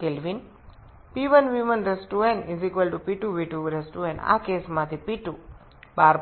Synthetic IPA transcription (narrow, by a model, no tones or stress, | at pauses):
kelʋin | piʋənʋimə̃nɾesʈuẽnizikʋəlʈupiʈuʋiʈuɾesʈɾuẽɳa̰keːsmãt̪ʰipiʈu | baːɾ